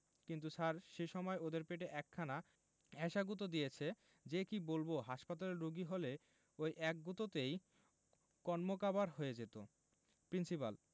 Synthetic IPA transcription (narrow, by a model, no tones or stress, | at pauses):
kint̪usaɾʃeʃɔmɔeod̪eɾpeʈ̬eʔɛkʰːana | ɛʃaɡut̪̬od̪ijet͡ɕʰe | d͡ʑekibolboɦaʃpat̪aleɾɾuɡiɦole | ojʔɛk̚ɡut̪ot̪ej | kɔnmokabaɾɦojed͡ʑet̪o̰ | pɾinsipa̰l